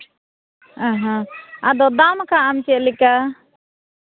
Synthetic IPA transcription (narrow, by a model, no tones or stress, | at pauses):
ãɦãad̪ɔd̪amkaamt͡ʃɛlika